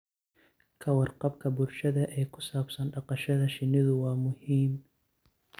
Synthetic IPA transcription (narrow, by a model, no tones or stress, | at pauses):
kʰɐwɑrqɑbkʰɐbʊlʃɐðɐʔɛːjkʰʊsaːbsɐnɖɑqɑʃɐðɐʃɪnɪðʊwɑːmʊhiːm